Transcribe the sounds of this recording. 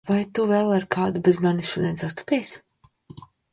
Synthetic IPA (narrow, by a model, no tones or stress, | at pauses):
vajt̪uvɛlˠaɾkʰaːd̪ubʲezmaniʃuɔd̪ʲiɛnsast̪u̥pʲɛjsʲ